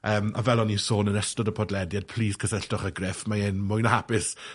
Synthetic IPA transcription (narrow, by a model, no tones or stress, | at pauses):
əːma̰vɛlˠɔnisoːnənəstɔdəpʰɔdlɛdjad̥̚pʰl̥iːskʰəsəɬtɔχəɡrɪfmaɪnmʊjnahapɪs